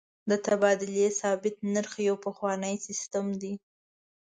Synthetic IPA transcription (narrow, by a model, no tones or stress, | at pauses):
d̪ət̪abɑd̪ʊljesɑbɪt̪̚naɾxajawpəxwɑnəjsɪst̪əmd̪i